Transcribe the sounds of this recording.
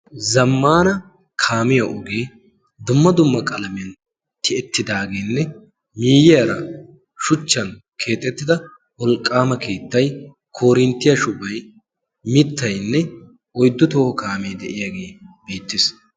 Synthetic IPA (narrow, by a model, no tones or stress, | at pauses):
zɐmːaːnɐ | kʰaːmɪjɐʔʊɡe̞ː | d̪ʊmːɐd̪ʊmːɐkʼɐlɐmɪjɐn | t̪ɪɛt̪ːɪd̪aːɡeːnːɛ | miːjɪjɐɾɐ̰ | ʃʊt͡ʃːɐn | kʰe̞ːt̪ʼːɛt̪ːɪd̪ɐ | wɔlkʼːaːmɐkʰeːt̪ːɐj | kʰo̞ːɾɪnt̪ːɪjɐʃʊbɐj | mɪt̪ːɐjnːɛ | ɔjd̪ːʊt̪oːhkaːmejd̪ɛʔɪjaːɡe̞ːb̥e̞ːt̪ːɪs